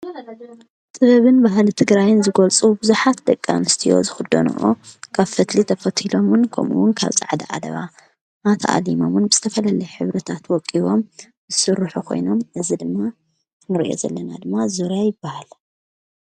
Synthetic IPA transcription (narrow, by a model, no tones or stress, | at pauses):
t̪ʼɨβɐβɨnbaɦlit̪ʰɨɡɾajɪnzɨɡɐlt͡sʼubɨzuħat̪̚d̪ɐkʼːa̰nɨst̪ʰijo̞̰zɨxɨd̪ːo̰nṵʔo̰kʰaβfɐt̪lit̪ʰɐfɐt̪ʰilo̞munkʰo̰mṵwʊnkʰa̰βt͡sʼaʕd̪iʔa̰d̪ɐ̰βa̰ | mat̪ʰaʔa̰limo̞munbɨz̥ɨt̪ʰɐfɐlalɐjħɨβɾɐt̪ʰat̪wɔkʼːiβo̞m | zɨsɨɾːɨħukʰo̞̰jno̞mʔɨzid̪ɨmːa | nɨɾiʔo̞̰zɐ̰lːɐna̰d̪ɨmːazuɾjajɪbːahal